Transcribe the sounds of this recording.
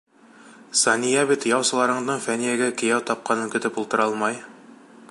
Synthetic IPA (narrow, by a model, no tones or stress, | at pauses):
sɑnʲijɑbit̪jɑwsɤ̆lˠɑɾɤ̆ɴd̪ɤɴfænijæɡækɘ̆jæwt̪ɑp̚qɑnɤŋkɵ̆t̪ɘpulˠt̪ɤ̆ɾɑlˠmɑj